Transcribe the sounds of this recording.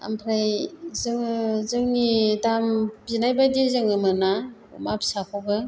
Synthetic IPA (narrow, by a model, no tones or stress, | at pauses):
a̰mpʰɾajzɯŋɯzɯŋnitamzinajbajdizɯŋɯmɯnaṵmapsakʰɔɡɯ